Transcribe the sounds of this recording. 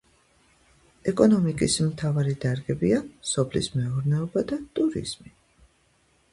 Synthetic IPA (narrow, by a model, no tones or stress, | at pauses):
ɛkʼɔnɔmikʼismt̪ʰavaɾid̪aɾɡɛbiasɔpʰlḭsmɛɔɾnɛɔbad̪at̪ʼuɾḭz̥mi